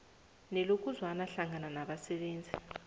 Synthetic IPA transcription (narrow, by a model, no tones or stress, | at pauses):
nɛlok̬ʼuzwanaɬaŋʱananaɓasɛɓeːnd͡zʱi